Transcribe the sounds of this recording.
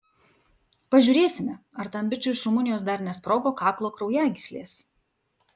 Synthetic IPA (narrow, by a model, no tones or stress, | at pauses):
pɐʒʲʊːɾʲeːsʲɪmʲɛ | ɐɾt̪ɐmʲbʲɪt͡ʃʲʊɪʃɾʊmʊnʲɪjoːsd̪ɐɾnʲɛspɾoːɡoːkɑːklˠoːkɾɒʊjæːɡʲɪsʲlʲḛːs